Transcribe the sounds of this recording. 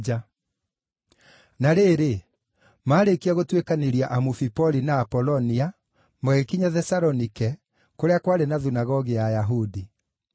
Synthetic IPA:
d͡ʒa | naɾeːɾe | maːɾekiaɣotwekaneɾiaʔamufipɔlinaːpɔlɔnia | mɛɣekiɲaðɛsaɾɔnikɛ | koɾeakwaɾenaðunaɣɔɣiajaɦudi

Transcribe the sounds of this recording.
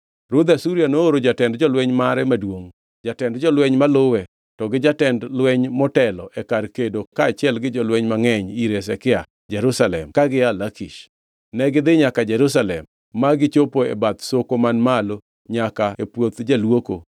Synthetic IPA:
ɾʊd̪asuɾianooɾod͡ʒatɛndd͡ʒɔlwɛɲmaɾɛmadwoŋ | d͡ʒatɛndd͡ʒɔlwɛɲmalʊwɛ | tɔɡɪd͡ʒatɛndlwɛɲmɔtɛlɔʔɛkarkedokaːt͡ʃɪɛlɡɪd͡ʒɔlwɛɲmaŋɛɲiɾes̬ɛkɪa | d͡ʒɛɾusalɛ̰mkaɡɪalakiʃ | nɛɡɪd̪ɪɲakad͡ʒɛɾus̬alɛmː | aɡɪt͡ʃopoɛ̰bat̪sokomanmalo | ɲakaepwot̪d͡ʒalwoko̰

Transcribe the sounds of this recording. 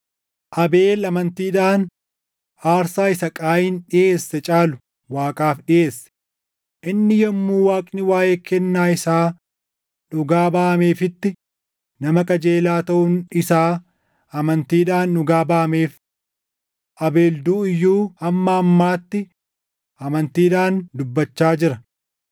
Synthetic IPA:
ʔɐbe̞ːlɐmɐnt̪iːᶑaːn | aːɾsaːɪsɐkʼaːjɪːnᶑɪjʔeːsːɛt͡ʃʼaːlʊ | waːkʼaːfɗɪʔe̞ːsːɛ̥ | ʔɪnːɪjɐmːuːwaːkʼnɪwaːjʔeːkɛnːaːɪsaː | nʊɡaːbaːmeːfɪt̪ːɪ | nɐmɐkʼɐd͡ʒeːlaːt̪ɐʔʊnɪsaː | ɐmɐnt̪iːᶑaːnᶑʊɡaːbaːmeːf | ʔɐbe̞ːld̪uːɪjːuːɐmːɐɐmːaːt̪ːɪ | ʔɐmɐnt̪iːᶑaːnd̪ʊbːɐt͡ʃːaːd͡ʒɪɾɐ

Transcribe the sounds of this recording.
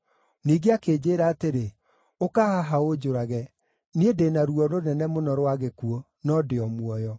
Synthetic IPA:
niːɡeakeːd͡ʑeɾaːteɾe | okahaɦaod͡ʒoɾaɣɛ | niedenaɾuɔɾonɛnɛmonɔɾowaɣekuɔ | nɔdeɔmwɔjɔ

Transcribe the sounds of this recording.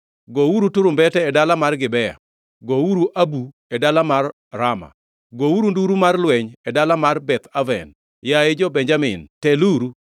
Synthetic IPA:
ɡouɾutʊɾʊmbɛtɛːdalamarɡɪbɛja̰ | ɡowuɾuʔabu | ɛdalamarː | ama̰ | ɡowuɾunduɾumarlwɛɲɛdalamarbɛt̪avɛ̰n | jaed͡ʒɔbɛɲd͡ʒamɪ̰ntɛluɾu

